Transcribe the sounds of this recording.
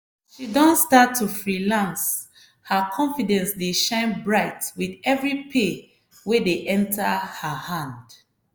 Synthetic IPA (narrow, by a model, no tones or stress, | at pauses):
ʃidɔ̃ntstatʰːufɹilãns | həkʰɔ̃nfidɛ̃nsdeʃãɪ̃nbɹaɪtwiðɛvɹipʰe | wedeʔɛ̃ntʰəhəhãnd